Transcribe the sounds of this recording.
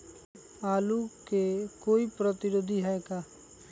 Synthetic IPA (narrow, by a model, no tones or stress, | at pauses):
aːlukekoːipɾət̪ɪɾod̪ʱiɦɛɡaː